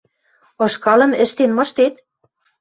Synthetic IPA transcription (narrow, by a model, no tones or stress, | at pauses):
ɤ̆ʃkɑlɤ̆mɘ̆ʃt̪enmɤ̆ʃt̪et̪